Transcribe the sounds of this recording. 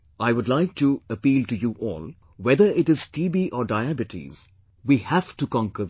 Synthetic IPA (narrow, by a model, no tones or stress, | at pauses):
aɪʋʊdˡlaɪk̚ʈuəpiːlʈujuʔɔ̰ːl | wɛðəɪʈɪz̥tiːbiʔɔːɖaɪæbɪʈʰḭz̥ | wihæftukɔ̃ŋkə